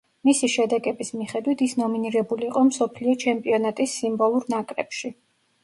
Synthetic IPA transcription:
misiʃɛd̪ɛɡɛbismiχɛd̪wit̪ʰisnɔminiɾɛbuliːqʼɔmsɔpʰliɔt͡ʃʰɛmpʼiɔnat̪ʼisːimbɔlˠuɾnakʼɾɛpʃi

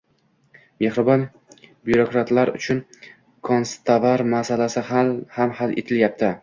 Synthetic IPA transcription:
mehɾɪbɒn | bjuɾokɾat̪laɾʊ̰t͡ʃʰʊn | kʰonst̪ʰavaɾmasalasɪhhamhalʔḛt̪ʰɪljap̚t̪ʰɪ

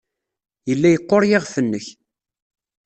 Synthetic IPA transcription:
jəlːæjəqːoɾˤjɪʁfənːəç

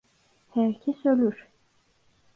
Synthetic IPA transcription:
hæɾcʰesølʲyɾ̥

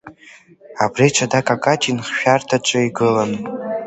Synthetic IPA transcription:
abrit͡ʃʷʰadakʼakʼatʼinχʃᶣartʰat͡ʃʷʼɨiɡɨlan

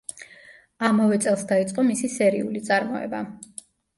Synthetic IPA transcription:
amavɛt̪sʼɛlˠsd̪ait̪sʼqʼɔmisisɛɾiulit̪sʼaɾmɔɛ̰ba

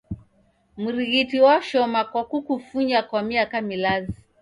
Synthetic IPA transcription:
muɾiɣitiwaʃɔmakwakukufuɲakwamiakamilazi

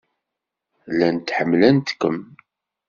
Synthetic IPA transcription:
lænt̪ħəmːlænt̪kːəm

